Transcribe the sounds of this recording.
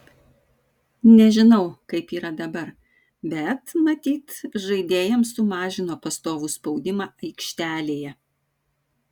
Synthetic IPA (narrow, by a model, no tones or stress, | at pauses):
nʲɛʒʲɪnɐʊkɐɪpiːɾɐd̪ɐbɐɾ | bʲɛt̪mɐt̪ʲiːt̪ʒɐɪd̪ʲeːjɛmsʊmɑːʒʲɪnoːpɐst̪oːʋuspɒʊd̪ʲɪmɑːʔɐɪkʲʃʲt̪ʲæːlʲeːjɛ